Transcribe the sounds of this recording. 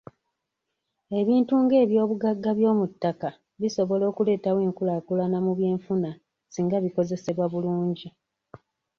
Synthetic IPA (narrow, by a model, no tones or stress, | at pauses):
e̞βiːntuŋɡe̞ːβjo̞ːβuɡaɡːaβjo̞ːmutːaka | βiso̞βo̞lo̞ːkule̞ːtawe̞ːŋkulakulanamuβje̞ːɱfuna | siːŋɡaβiko̞ze̞se̞βwaβuluːɲɟi